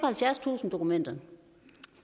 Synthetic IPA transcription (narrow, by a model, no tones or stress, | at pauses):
ɐhælfjæɐst͡sʰṵːsn̩d̥o̝kumen̰d̥ɐ